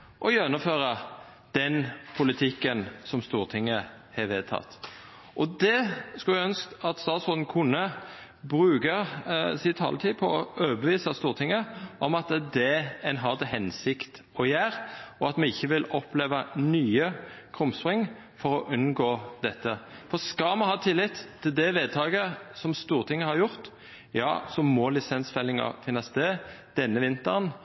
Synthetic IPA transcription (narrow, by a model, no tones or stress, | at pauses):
ʔɔjœnʊføːʁɑ | d̪̥ɛnpʰʊlɪt̪ʰɪkːənsɔmst̪uːʁt̪ʰɪŋːə | hɛʋeːd̪̚t̪ʰɑ̰t̪ | ʔɔd̪ɛskɑlæœnsk̪ɑt̪st̪ɑːt̪sʊʁd̪n̩kʰʊnːə | bɾʉːɡəsɪt̪hɑ̰lt̪ʰiːpʰɔɔʔøːbəʋiːsɑst̪uːʁt̪ʰɪŋːəʔɔmɑt̪d̪ɛɛnɦɑʁd̪ɛɦɛnsɪkt̪ | ɔjæːʁɔɑt̪mɛɪçːəʋɪlɔpleːʋɑnyːəkʰʁʊmspʁɪŋ | fɔʁɔʔʉnɡoːd̪ɛt̪ːəfɔʁskɑmɛhɑːt̪ʰɪlːɪt̪t̪ʰːɪld̪ɛʋeːd̪̚t̪ʰɑːɡəsɔmst̪uːʁt̪ʰɪŋːəhɑʁjʊʁt̪ | jɑ̰ːsɔmɔlɪsɛnsfɛlɪŋɑ̰fɪnːɑst̪eːd̪̥ɛnːəʋɪnt̪əʁn